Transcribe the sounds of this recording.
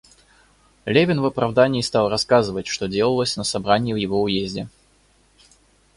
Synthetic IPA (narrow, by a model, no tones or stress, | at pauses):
lʲevʲɪnvəpɾɐvd̪anʲɪːst̪ɑlˠrɐskazɨvətʲʂt̪odʲe̞lˠəlˠəsʲnəsɐbɾanʲɪjɪvjɪvoʊjezʲdʲɪ